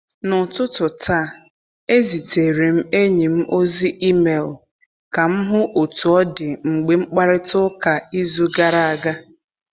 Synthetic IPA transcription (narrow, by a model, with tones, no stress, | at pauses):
nʊ˨tʊ˦tʊ˨tʰaː˦˨ | e˦zi˨te˨ɾe˨m̩˦e˦ɲi˨m̩˦ʔo˦zi˦ʔi˦me˨l | ka˨m̩˦ɦʊ˦ʔo˨tu˨ɔ˦dɪ˨ŋ͡m̩˨ɡ͡be˨ŋ͡m̩˦k͡pa˦ɾɪ˦tʊ˦ka˨i˦zu˦ɡa˦ɾa˦a˨ɡa˦